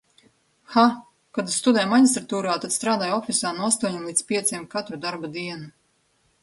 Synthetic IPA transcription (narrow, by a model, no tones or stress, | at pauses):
xa | kad̪st̪ud̪ɛjmaɲist̪ɾat̪uːɾaːt̪ad̪st̪ɾaːd̪aːjɔfʲisaːnuast̪uɔɲimlˠiːspʲiɛt̪siɛmkat̪ɾud̪aɾbad̪iɛnu